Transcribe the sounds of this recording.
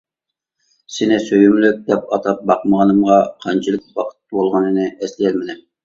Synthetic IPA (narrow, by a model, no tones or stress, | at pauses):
sɪnɪsøjymlyk̚ʲd̪ɛpɑt̪ʰɑp̚bɑqməʁɑnɨmʁɑqʰɑnt͡ʃʰɨlˠɨk̚ʲwɑqʰə̥t̪̚bolˠʁɑnɨnɨʔɛslijɛlmɪd̪ɪm